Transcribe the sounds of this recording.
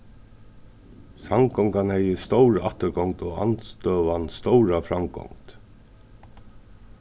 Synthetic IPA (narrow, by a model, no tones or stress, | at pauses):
samkɔŋkanhɛjəst̪owɾaht̪əɾɡɔŋt̪ɔɣa̰nt̪st̪œːʋanst̪owɾafɾamɡɔ̰ŋt̪